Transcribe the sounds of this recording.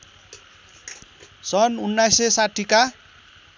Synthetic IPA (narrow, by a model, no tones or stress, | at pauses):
sʌnunːajsesaʈʰika